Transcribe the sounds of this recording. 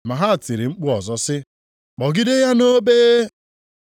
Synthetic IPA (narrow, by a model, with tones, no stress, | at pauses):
ma˨ɦa˦˨ti˨ɾi˨ŋ͡m̩˦k͡pu˦ɔ˨zɔ˦sɪ˦ | k͡pɔ˨ɡɪ˦de˦ja˦no˦beː˦